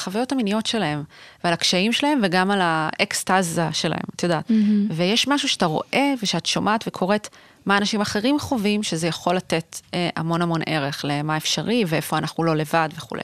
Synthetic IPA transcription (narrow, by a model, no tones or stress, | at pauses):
χavajo̞taminijo̞tʃe̞lae̞mvealakʃaimʃelahe̞mveɡamalaekst̪azaʃe̞la̰hḛmat̪jodaːt̪vejeʃmaʃuʃe̥at̪aʁo̞̰ʔe̞veʃeatʃomʔaːt̪ve̞kʰo̞ʁe̞t̪ | maːnaʃimaχe̞ʁimχo̞vimʃezejaχo̞lːate̞t̪eʔamo̞namo̞nʔe̞ʁe̞χle̞maefʃaʁiveefo̞anaχnulo̞le̞vadveχṵlḛj